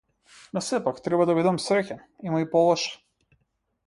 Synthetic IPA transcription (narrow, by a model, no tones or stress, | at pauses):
nɔsɛpakt̪ɾɛbad̪avid̪amsɾɛcʲɛ | imaipɔlˠɔʃɛ̥